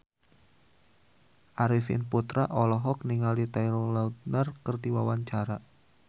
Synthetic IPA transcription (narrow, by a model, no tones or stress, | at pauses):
ʔaɾifɪ̰nput̪ɾaʔɔlɔɦɔk̚niŋalit̪ajɾɔlaut̪̚nərkərdiwawaɲt͡ʃaɾa